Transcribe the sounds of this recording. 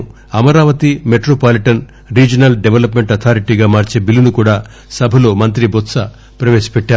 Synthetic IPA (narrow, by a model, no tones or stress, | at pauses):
ɐmɐɾaːʋɐt̪imeʈɾoːpaːliʈɐn | ɾiːd͡ʒɐnɐlɖeʋelɐpme̞ɳʈɐt̪ʰaːɾiʈiːɡaːmaːɾt͡ʃeːbilinukuːɽaː | sɐbʱɐlo̞ːmɐnt̪̬ɾibot̪sɐ | pɾɐʋeːsɐ̥pɛʈːaː